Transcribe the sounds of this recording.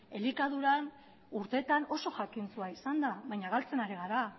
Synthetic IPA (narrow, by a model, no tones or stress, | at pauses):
e̞likaðuɾan | uɾt̪e̞t̪ano̞so̞xakinsuaisand̪aβajɲaɣalt͡se̞naɾiɣ̞aɾa